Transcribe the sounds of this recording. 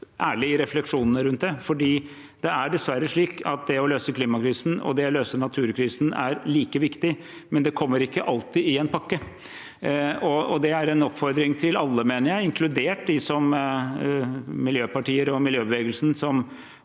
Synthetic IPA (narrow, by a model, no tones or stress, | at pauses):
ʔæːɭɪɪɾɛflɛkʂuːnənəɾʉnt̪̚d̪ɛfɔɖiː | d̪ɛæɖɛsʋæɾːəʂɭiːkʰɑt̪̚d̪ɛɔløːsəkʰliːmɑkʰɾiːsn̩ɔ̰d̪ɛɔløːsənɑt̪ʰʉːɾkʰɾiːsn̩æ̰ɾliːkəʋɪkt̪ɪ | mɛnd̪ɛkʰɔmːəɾɪkːəʔɑlt̪ɪɪɛnpʰɑkːə | ɔɔd̪ɛæɾɛnɔpfɔɾd̪ɾɪŋt̪ʰɪlɑlːəmeːnəɾjæɪɪŋkʰlʉd̪eːʈ̚d̪ɪsɔm | mɪljøːpɑʈiːəɾɔmɪljøːbəʋeːɡəlsn̩sɔm